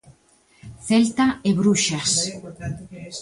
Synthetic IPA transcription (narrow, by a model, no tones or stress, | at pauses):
θelt̪aeβɾuʃas